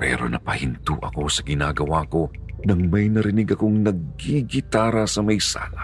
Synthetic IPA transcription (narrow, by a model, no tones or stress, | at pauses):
pɛ̰ːɾo̞̰nɐ̰pɐhɪnt̪uʔɐ̰ko̞sɐɡɪnaːɡɐwako̞nɐŋmɐjnɐɾɪnɪɡɐko̞ŋnɐɡ̚iɡɪt̪aːɾɐsɐmɐjsa̰ːla